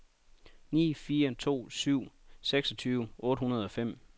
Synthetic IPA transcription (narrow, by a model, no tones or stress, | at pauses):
nḭːfiːɐt͡sʰo̝̰ːsyʊ̰seɡ̥sɒ̽t͡sʰyːʊʔɔ̽ːɾəhunɐð̞̩ˠɒ̽fem̰